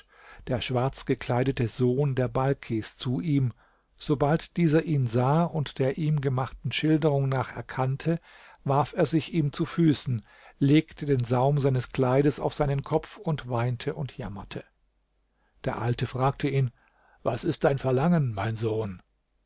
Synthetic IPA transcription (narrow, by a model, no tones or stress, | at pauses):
d̥eːɐʃv̥aɐt͡sɡ̥əkʰl̥aɪdətəzoːndeːɐbalkʰest͡suʔiːm | z̥obaltd̥iːzɐʔiːnzaːʊntd̥eːɐʔiːmɡəmaχtn̩ʃɪldəʁʊŋnaːχɛ̰ɐkʰantʰə | vaɐfeːɐzɪçʔiːmt͡sufyːsn̩ | leːktʰədeːnzaʊmzaɪnəskl̥aɪɾəsa̰ʊfz̥aɪnənkʰɔp͡fʊntv̥aɪntʰəʔʊntʰjamɐtʰə | d̥eːɐʔaltəfʁ̥aːk̚tʰəiːn | vasɪst̚d̥aɪnfɛɐlaŋənmaɪnzoːn